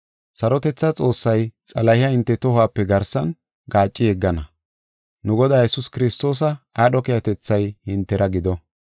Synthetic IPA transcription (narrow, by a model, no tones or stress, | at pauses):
sɐɾɔt̪ɛt͡sːɐt͡sʼo̞ːsːɐjt͡sʼɐlɐhɪjɐhɪnt̪ːɛt̪ɔɦaːpːɛɡɐɾsɐn | ɡaːt͡ʃʼːɪjɛɡːɐnɐ | nʊɡɔd̪aːjɛsʊskɪɾɪst̪o̞ːs̬ɐaːɗɔkɛjɐt̪ɛt͡sːɐjhɪnt̪ːɛɾɐɡɪd̪ɔ